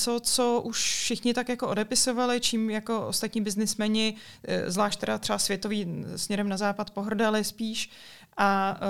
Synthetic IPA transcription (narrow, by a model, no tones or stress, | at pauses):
t͡sot͡soʔuʃfʃɪxɲɪt̪akjakoʔodɛpɪsovalɪt͡ʃiːmjako̞ʔo̰st̪at̪ɲiːbɪznɪsmɛɲɪ | zlaːʃt̪ɛɾat̪r̥ɛbasvjɛt̪oviːsmɲɛɾɛmnazaːpat̪po̞ɦr̩dalɪspiːʃ | ʔa